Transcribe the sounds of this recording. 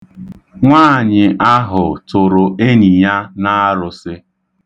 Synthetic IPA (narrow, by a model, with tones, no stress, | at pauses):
ŋʷaː˦˨ɲɪ˨ʔa˦ɦʊ˨tʊ˨ɾʊ˨e˦ni˨ja˦na˦a˦ɾʊ˨sɪ˦